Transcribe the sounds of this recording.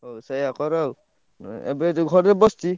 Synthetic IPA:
ɦowsajakɔɾaw | ɛ̰bɛtɡʱɔɾɛbɔsti

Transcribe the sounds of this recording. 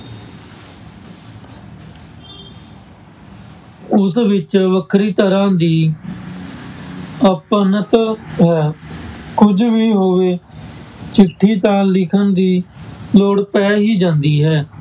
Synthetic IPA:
ʊsʋɪt͡ʃʋəkʰɾiːt̪əɾãːd̪iː | əpənət̪ɦɛːkʊd͡ʒʋiːɦoːʋeː | t͡ʃɪʈʰːiːt̪ãːlɪkʰənd̪iːloːɽpɛːɦiːd͡ʒãːnd̪iːɦɛː

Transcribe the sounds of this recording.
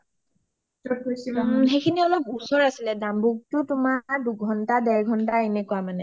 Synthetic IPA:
tɔpojsiɦejkʰiniɔlɔpusɔɹasilɛdambuɡ̚tʊtʊmaɹduɡʱɔntadɛɹɡʱɔntaenɛkuwamanɛ

